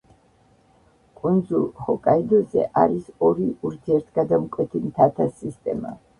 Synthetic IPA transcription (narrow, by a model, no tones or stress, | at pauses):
kʼund̪zulˠhɔkʼaid̪ɔzɛ̰ʔaɾisɔɾiuɾt̪ʰiɛɾt̪ʰɡad̪amkʼwɛt̪ʰimt̪ʰat̪ʰasist̪ʼɛ̰ma̰